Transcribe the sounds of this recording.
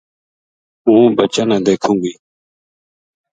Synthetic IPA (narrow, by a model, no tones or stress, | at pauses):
ũːbət͡ʃaːnãːd̪eːkʰũːɡiː